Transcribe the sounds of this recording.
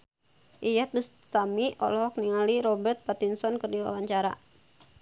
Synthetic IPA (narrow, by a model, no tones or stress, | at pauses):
ʔijat̪̚dus | t̪amiɔ̰lɔɦɔk̚niŋaliɾɔbɛrt̪̚pat̪insɔnkərdiwa̰waɲt͡ʃaɾa̰